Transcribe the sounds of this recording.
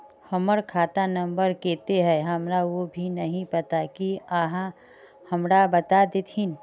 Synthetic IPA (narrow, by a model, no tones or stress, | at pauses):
hɐməɾkʰaːt̪anɐ̃mbəɾkeːt̪eɦɛ̃ɦɐmɾaʋobʱinɐɦĩpɐt̪akiaːɦã | hɐmɾabɐt̪ad̪et̪ʰin